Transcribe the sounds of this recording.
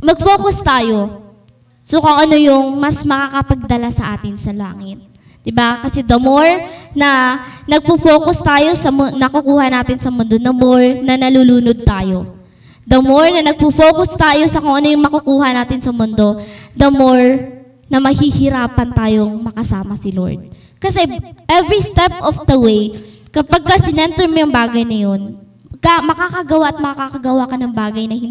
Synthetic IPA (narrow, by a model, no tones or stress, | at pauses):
mɐɡ̚fo̞ːkost̪aːjo̞ | sokoŋʔɐno̞jʊŋmɐsmɐkakɐpɐɡ̚d̪ɐlasɐʔaːt̪ɪnsɐla̰ːŋɪt̪̚ | d̪̥ɪbakɐsɛd̪ɐmoɹnɐnɐɡ̚pufoːkost̪aːjo̞sɐmʊnɐkʊkuːhɐnaːt̪ɪnsɐmʊnd̪o̞d̪ɐmoɹnɐnɐluluːnod̪̚t̪aːjo̞ | d̪ɐmoɹnɐnɐɡ̚fufoːkʊst̪aːjo̞sɐkoŋʔɐnʊjʊŋmɐkʊkuːɦɐnaːt̪ɪnsɐmʊnd̪o̞d̪ɐmoɹ | nɐmɐhiːhɪɾaːpɐnt̪aːjoŋmɐkɐsaːmɐsɪlo̰ɹd̪̚ | kɐsɛʔɛvɹist̪ɛp̚ofd̪ɐwejkɐpaɡ̚kɐsɪnɛnt̪ɛɹmojɐŋbaːɡɐjnɐjo̞n | amɐkakɐɡɐwaʔɐt̪̚mɐkɐkakɐɡɐwakɐnɐŋbaːɡɐjnɐhɪn